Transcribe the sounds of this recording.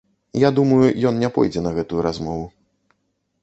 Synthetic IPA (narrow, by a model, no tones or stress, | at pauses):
jad̪umɐjujɔnnʲɛpɔ̰jd͡zʲɛnɐɣɛt̪ujuɾazmɔvu